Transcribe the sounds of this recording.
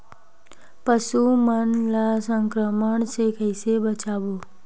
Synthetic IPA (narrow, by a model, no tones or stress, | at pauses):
pəsumənlasəŋkɾəməɳsekəjsebət͡ʃabo